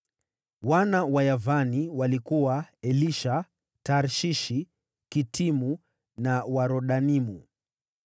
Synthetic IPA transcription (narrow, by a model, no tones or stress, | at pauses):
wanawajavaniwalikuwaɛliʃa | taɾʃiʃi | kitimu | nawaɾɔɗanimu